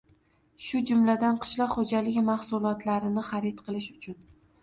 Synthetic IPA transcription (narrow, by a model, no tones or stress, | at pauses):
ʃʊd͡ʒʊmlad̪anqʰɨ̥ʃlɒqhod͡ʒalɪɡʲmahsʊlˠɒt̪laɾɪnɪχaɾet̪qʰɨlˠɪʃʊt͡ʃʰʊn